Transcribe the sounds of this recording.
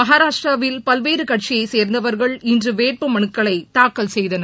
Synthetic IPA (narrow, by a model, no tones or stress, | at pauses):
mɐɦaːɾaːʂʈrɐʋɪlpɐlʋeːɾɯkɐʈ̚t͡ʃijɐɪseːɾnd̪ɐʋɐɾɣɐɭɪndrɯʋeːʈ̚pɯmɐɳɯkːɐɭɐɪt̪aːkːɐlsɛjðɐnɐ